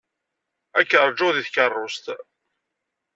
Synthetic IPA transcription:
ækːəɾˤd͡ʒʊðiθkərˤːʊst̪

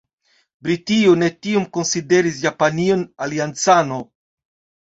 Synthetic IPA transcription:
bɾitione̞tiomkonside̞ɾis̬japanionaliant͡sano

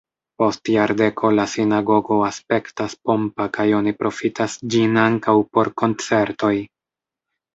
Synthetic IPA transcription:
po̞stjaɾde̞kʰo̞lasinaɡo̞ɡo̞aspe̞ktaspo̞mpakajo̞nipɾʔo̞fitasd͡ʒinaŋkawpo̞ɾko̞nt͡se̞ɾto̞j

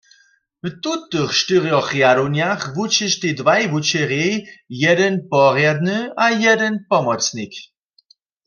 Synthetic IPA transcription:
vt̪ut̪ɨxʃtɨʁjɔxjaɾonjaχvut͡ɕɛʃt̪edvajvut͡ɕɛʁjɛjjɛdɛnpɔʁjad̪nɨʔajɛdɛnpɔmɔt͡snik

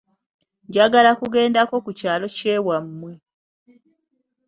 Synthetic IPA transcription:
ɲɟaɡalakuɡe̞ːndako̞kucaːlo̞ce̞ːwamːwe̞

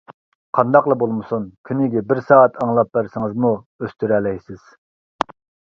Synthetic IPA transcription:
qʰɑnd̪ɑqlˠɑbolˠmɨsunkʲʰynɪɡʲɛbɪɾsɑːɛt̪ʰɑŋlˠɑp̚bæɾsɪŋɨzmu | øst̪yɾɛlɛjsɪz̥

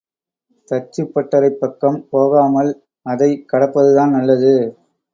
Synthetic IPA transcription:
t̪ɐt͡ʃːɯpːɐʈːɐɾɐɪpːɐkːɐmpoːɣaːmɐl | ɐðɐɪkːɐɽɐpːɐðɯðaːnnɐlːɐðɯ

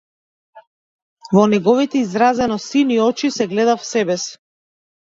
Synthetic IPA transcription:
vɔnɛɡɔvit̪ɛizɾazɛnɔsiniɔt͡ʃisɛɡlɛd̪afsɛbɛs

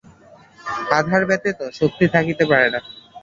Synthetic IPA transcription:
ad̪ʱaɾbɛt̪et̪oʃok̚t̪it̪ʰakit̪epaɾena

